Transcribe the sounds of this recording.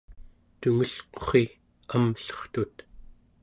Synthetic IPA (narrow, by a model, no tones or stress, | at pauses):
t̪uŋəɬqo̥χi | amɬʌ̥χt̪ut̪